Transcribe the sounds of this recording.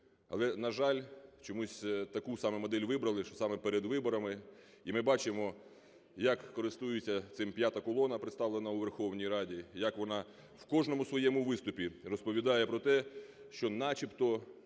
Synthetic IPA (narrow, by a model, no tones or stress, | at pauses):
ɐ̰lˠɛnɐʒɑlʲt͡ʃɔmusʲt̪ɐkusɑmɛmɔd̪ɛlʲʋɪbɾɐlˠɪʃɔsɑmɛpeɾed̪ʋɪbɔɾɐmɪ | imɪbɑt͡ʃɪmɔ | jɐkːɔɾɪst̪ujʊt͡sʲːɐt̪sɪmpʲjat̪ɐkɔlˠɔnɐpɾɪt̪st̪ɑʋlˠenɐuʋerxɔwnʲijɾɑdʲijɐkʋɔnɑ | wkɔʒnɔmʊsʋɔjɛmʊʋɪst̪ʊpʲirɔspɔʋʲid̪ɑjɛpɾɔt̪ɛ | ʃt͡ʃɔnɑt͡ʃʲipt̪ɔ